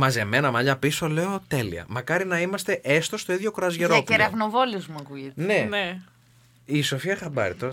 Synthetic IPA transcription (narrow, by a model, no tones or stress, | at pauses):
mɐze̞me̞nɐmɐʎɐpiso̞le̞o̞t̪e̞lḭɐ̰mɐkɐɾinɐimɐst̪e̞ʔest̪o̞st̪oiðʝo̞kɾɐzʝeɾopeɾɐvnovoliozmuɐkuʝet̪nen | iso̞fiɐxɐbɐ̰ɾit̪o